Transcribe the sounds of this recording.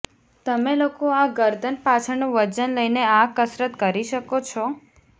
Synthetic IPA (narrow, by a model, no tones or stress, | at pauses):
t̪əmelokoaɡəɾd̪ʱənpat͡ʃʰənũʋəd͡ʒənləjneakəsɾət̪kəɾiʃəkot͡ʃʰɔ